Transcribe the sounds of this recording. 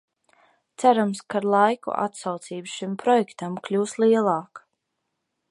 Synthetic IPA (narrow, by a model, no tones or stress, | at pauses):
t̪sæɾamskaɾlˠajkṵʔa̰t̪sawt̪siːbʃimpɾɔjɛkt̪amklʲuːslˠiɛlˠɑːk